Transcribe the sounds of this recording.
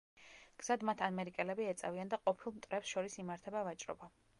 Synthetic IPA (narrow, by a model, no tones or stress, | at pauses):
ɡ̥z̥ad̪mat̪ʰamɛɾikʼɛlɛbiɛt̪sʼaviand̪aqʼɔpʰilˠmt̪ʼɾɛpsʃɔɾisimaɾt̪ʰɛbavat͡ʃʼɾɔ̰ba